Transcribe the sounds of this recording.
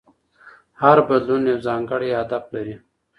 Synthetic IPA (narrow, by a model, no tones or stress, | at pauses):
haɾbɐd̪lunjwzaːŋɡəɽiad̪ab̚ləɾi